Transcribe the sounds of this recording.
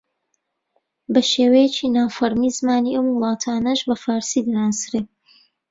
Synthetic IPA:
bɐʃeːwɛjɛt͡ʃʰinaːfɐɾmizmaːniʔɐmwʊlˠɑːt̪ʰaːnɐʒbɐfaːɾsid̪ɨɾaːnsɨɾeː

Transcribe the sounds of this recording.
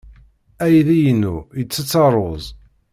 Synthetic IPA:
æjðijənːujət͡sːət͡sːɑɾˤozˤ

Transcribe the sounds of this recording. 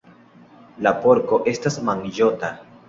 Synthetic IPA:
lapoɾko̞ʔe̞stasmaŋd͡ʒota

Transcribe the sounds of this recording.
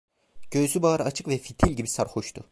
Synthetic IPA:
ɟ̥ø̞zybaːɾɯat͡ʃʰɯ̥kvɛfit̪ʰilʲɟibisaɾxoʃt̪ʰʊ

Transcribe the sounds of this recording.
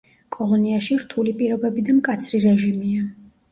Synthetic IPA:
kʼɔlˠɔniaʃiɾt̪ʰulipʼiɾɔbɛbid̪amkʼat̪sʰɾiɾɛʒimia

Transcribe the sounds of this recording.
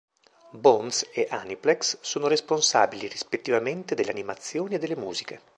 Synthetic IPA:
bɔnseʔaniplɛkssoːnoɾesponsa̰ːbilirispet̪ːivament̪ed̪elːeanimat̪sːjoːnied̪ːelːemṵːzike

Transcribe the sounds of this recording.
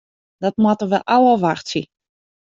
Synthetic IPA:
d̥ɔtmwatərʋɛlʔawəʋaxtsi

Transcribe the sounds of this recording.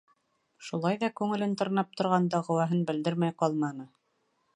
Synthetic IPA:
ʃulˠɑjðɑkʉŋɘ̆lɘnt̪ŏɾnɑp̚t̪ʰŏɾʁɑnd̪ɑʁɤ̆wæɦɤnbɘ̆ld̪ɘɾmæjqɑlˠmɑnɤ

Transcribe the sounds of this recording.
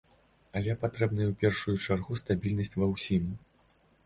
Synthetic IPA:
ɐlʲɛpat̪ɾɛbnɨjɛwpʲɛrʂujut͡ʂarɣust̪abʲilʲnɐsʲt͡sʲvɐwsʲim

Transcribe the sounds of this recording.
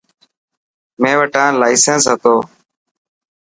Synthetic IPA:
mẽːʋəʈãːlaːiɪsẽːnsɦət̪oː

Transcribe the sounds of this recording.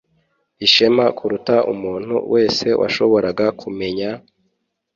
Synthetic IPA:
iʃemakuɾutaʔṵmuːn̥hṵwe̞ːse̞wʔa̰ʃo̞βo̞ɾaɡakʰume̞ɲa

